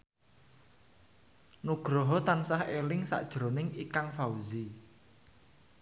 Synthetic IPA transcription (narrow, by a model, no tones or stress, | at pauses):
nuɡ̥ɾɔɦɔt̪ansahelɪŋsa̰ʔd̥ʒ̥ɾonɪŋikaŋfauzi